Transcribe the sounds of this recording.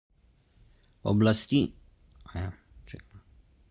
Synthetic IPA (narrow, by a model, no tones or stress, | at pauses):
ɔ̰blast̪i | aja | t͡ʃɛ̰k